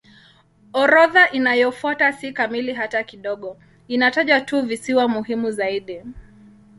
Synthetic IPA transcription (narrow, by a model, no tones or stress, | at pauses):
ɔɾɔðaʔinajɔfuatasikamiliɦatakiɗɔɠɔ | inataʄatuvisiwamuɦimuzaiɗi